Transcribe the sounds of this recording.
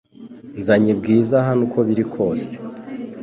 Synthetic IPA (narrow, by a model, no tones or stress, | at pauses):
nzaɲibɡiːzaɦanuko̞βiɾikʰo̞ːse̥